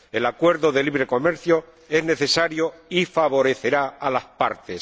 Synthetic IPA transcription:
e̞lakwe̞ɾðoðe̞liβɾe̞ko̞me̞ɾθjo | e̞zne̞θe̞saɾjoifaβo̞ɾe̞θe̞ɾaalaspa̰ɾt̪es

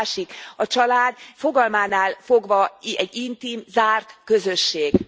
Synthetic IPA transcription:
ʃikɒt͡ʃɒlaːd̪fo̞ɡɒlmaːnaːlfo̞ɡvɒɛɟːint̪iːmzaːrt̪kø̞zø̞ʃːeːɡ

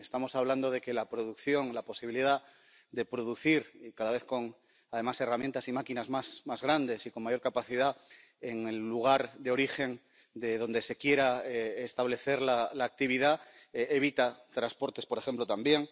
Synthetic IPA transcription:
est̪amo̞saβland̪o̞ðe̞ke̞lapɾo̞ð̞ukθjo̞ŋlapo̞siβiliða | d̪e̞pɾo̞ðuθiɾkaðaβe̞θko̞ŋ | aðe̞mase̞ramje̞nt̪asimakinazmasmazɣɾand̪e̞siko̞ŋmaʝo̞ɾkapaθiða | eŋelːuɣ̞aɾðeo̞ɾixe̞n | d̪eðo̞nd̪e̞se̞kje̞ɾaeːst̪aβ̞le̞θe̞ɾlalaːk̚t̪iβ̞iðaeβ̞it̪at̪ɾaspo̞ɾt̪e̞spo̞ɾe̞xe̞mplo̞t̪ambje̞ŋ

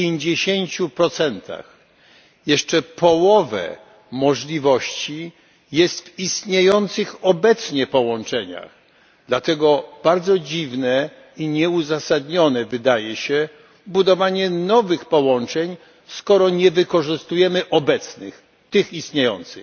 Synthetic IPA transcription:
eɲd͡ʑeɕeɲt͡ɕupɾɔt̪sɛnt̪ʰa̰x | jɛʂt͡ʂɛpɔwɔvɛ̰ | mɔʐlʲivɔɕt͡ɕi | jɛst̪vist̪ɲejɔnt̪sɘxɔbɛt̪sɲɛpɔwɔnt͡ʂɛɲa̰x | d̪̥lat̪ɛɡɔb̥aɾd̪zɔd͡ʑivnɛ | iɲɛuzasad̪ɲɔnɛvɘd̪ajɛɕɛ | bud̪ɔvaɲɛnɔvɘxpɔwɔnt͡ʂɛɲ | skɔɾɔɲɛvɘkɔʐɘst̪ujɛmɘʔɔbɛt̪snɘ̰x | t̪ɘxist̪ɲejɔ̰nt̪sɨ̰

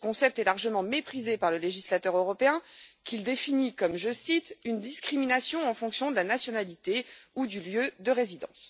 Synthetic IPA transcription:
əkɔ̃sɛp̚t̪ɛlaʁʒəmɑ̃mepχizepaʁləleʒislat̪œʁøʁɔpeɛ̃kʰild̪efinikɔmʒəsit̪ynd̪iskχiminasjɔ̃ɑ̃fɔ̃ksjɔ̃d̪əlanasjɔnalit̪eud̪yljød̪əʁezid̪ɑ̰̃s

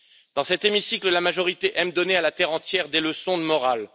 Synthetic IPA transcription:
d̪̥ɑ̃sɛt̪emisikləlamaʒɔʁit̪eʔɛmd̪ɔnealat̪ɛʁɑ̃t̪jɛʁd̪eləsɔ̃d̪əmɔʁal

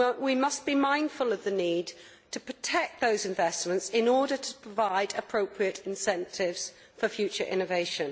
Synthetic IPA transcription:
wimʌsb̥imãɪ̃nd̥fələvðəniːd | tʰəpʰɹ̥ətʰɛk̚ðəʊzɪ̃ɱvɛsmə̃ntsɪ̃nɔːɾətʰəpʰɹ̥əvaɪdəpʰɹ̥oʊpʰɹiətɪ̃nsɛ̃ntʰɪvz̥ | fəfjʉˑt͡ʃəɹʔɪ̰̃nəveɪʃə̃n

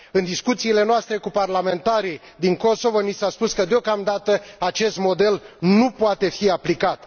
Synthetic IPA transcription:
ɨnd̪iskut̪siːle̞noast̪ɾe̞kuparlame̞nt̪aɾi | d̪iŋko̞so̞vonisaspuskəd̪eo̞kamd̪at̪əat͡ʃe̞st̪mo̞d̪e̞lnupoat̪e̞fiaplikat̪

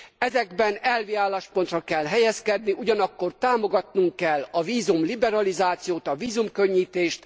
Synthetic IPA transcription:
ɛzɛɡbɛnɛlʋiaːlːaːʃpont̪rɒkɛlɦɛjɛskɛd̪niʔuɟɒnɒkːo̞rt̪aːmo̞ɡɒt̪nuŋkːɛlːɒviːzumlibɛɾɒlizaːt̪sijoːt̪ɒviːzumkø̞ɲːiːt̪eːʃt̪

